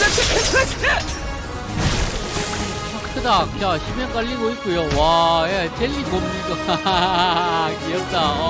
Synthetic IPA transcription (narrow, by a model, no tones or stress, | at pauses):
pʰaktʰɯdakaɕʰimek͈aʎːiɡoik͈ojowajet͡ɕeʎːikomɲik͈a | kiʌp̚t͈aʌ